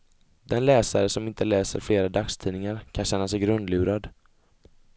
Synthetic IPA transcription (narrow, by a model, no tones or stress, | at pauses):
d̪ɛnlɛːsaɾəsɔmɪnt̪əlɛːsə̰ɾfleːɾad̪akst̪ʰiːnɪŋaɾkʰanɕɛnːasɛjɡɾɵnd̪lʉ̟ːɾad̪